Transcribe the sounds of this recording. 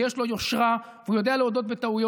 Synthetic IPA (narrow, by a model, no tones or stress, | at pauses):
jeʃlo̞jo̞ʃʁa | veujo̞d̪e̞aleodo̞t̪̚bet̪aujo